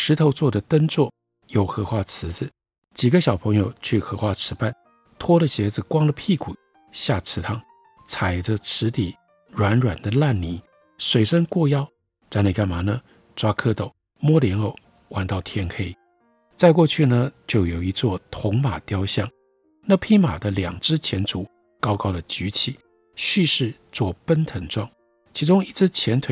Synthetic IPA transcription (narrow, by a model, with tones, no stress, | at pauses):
ʂɻ̩˧˥t̪ʰo˧˥ʊt͡swɔ˥˩d̪ə˩t̪ə˥nt͡swɔ˥˩ | jo˨˩ʊxɤ˧˥xwa˥˩t͡sʰɹ̩˧˥d͡zɹ̩˧ | t͡ɕi˨˩ɡə˦ɕjɑ˨˩ʊpʰɤ˧˥ŋjo˧ʊt͡ɕʰy˥˩xɤ˧˥xwa˥˩ʈ͡ʂʰɻ̩˧˥pa˥˩n | t̪ʰwɔ˥lə˨ɕjɛ˧˥d͡zɹ̩˨˩kwɑ˥ŋlə˨pʰi˥˩kʰu˨˩˦ | ɕja˥˩ʈ͡ʂʰɻ̩˧˥t̪ʰɑ˥˩ŋ | t͡sʰa˨˩ɪʈ͡ʂə˧ʈ͡ʂʰɻ̩˧˥t̪i˨˩ | ɻwa˧˥nɻwa˨˩nd̪ə˦la˥˩nni˨˩ | swe˨˩ɪʂə˥ŋkwɔ˥˧jɑ˥ʊ | ʈ͡ʂa˥˧ne˥˧ka˥˩nma˨˩nə˨ | ʈ͡ʂwa˥kʰɤ˥t̪o˨˩˦ʊ | mwɔ˥ljɛ˧˥no˥˩ʊ | xwʔa˧˥nt̪ɑ˥˩ʊt̪ʰjɛ˥nkʰe˥ɪ | t͡sa˥˧ɪkwɔ˥˧t͡ɕʰy˥˩nə˨t͡ɕjo˥˩ʊjo˨˩ʊi˧˥t͡swɔ˥˩t̪ʰʊ˧˥ŋma˨˩t̪jɑ˥ʊɕjɑ˥˩ŋ | na˥˧pʰi˥ma˨˩d̪ə˦ljɑ˨˩ŋʈ͡ʂɻ̩˥t͡ɕʰjɛ˧˥nt͡su˨˩ | kɑ˥ʊkɑ˥ʊd̪ə˨t͡ɕy˧˥t͡ɕʰi˨˩˦ | ɕy˥˧ʂɻ̩˥˧t͡swɔ˥˩pə˥nt̪ʰə˧˥ŋʈ͡ʂwɑ˥˩ŋ | t͡ɕʰi˧˥ʈ͡ʂʊ˥ŋi˧˥t͡s̩˥t͡ɕʰjɛ˧˥nt̪ʰwe˨˩